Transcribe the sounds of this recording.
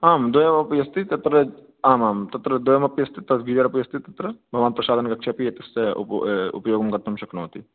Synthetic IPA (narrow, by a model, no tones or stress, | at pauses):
aːmd̪ojɐmɐpjɐst̪it̪ɐt̪ɾə | aːmaːmt̪ɐt̪ɾəd̪ojɐmɐpjɐst̪it̪ɐɡid͡ʒɐɾɐpjɐst̪it̪ɐt̪ɾɐbʱɐʋaːnpɾɐʃaːd̪ʱɐnkɐkʃʰapiet̪ɐseʊ̰pjoːɡmkɐɾt̪ʰɐmʃɐknɐɦoːt̪i